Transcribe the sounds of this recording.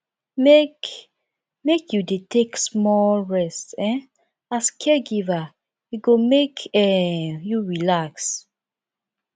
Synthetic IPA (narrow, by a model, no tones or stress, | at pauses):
mek | mekʰjudetʰeksmɔlɹɛstɛ̃n | askʰɛɡiva | iɡomekʰɛjuɹilaks